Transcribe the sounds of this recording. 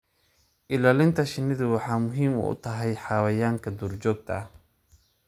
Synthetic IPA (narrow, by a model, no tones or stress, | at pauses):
ʔɪlaːlɪnt̪ʰɐʃɪnɪðʊwɑħɑːmʊɦiːmʊ̰ʊ̰t̪ʰɐɦɛjħɑːwɐjaːŋkʰɐd̪uːrt͡ʃɔːɡ̚t̪ʰɐ